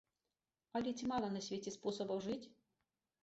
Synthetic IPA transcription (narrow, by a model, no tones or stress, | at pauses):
ɐlʲitʲimalˠɐnɐsʲvʲetʲɛspɔsɐbɐwʐɨt͡sʲ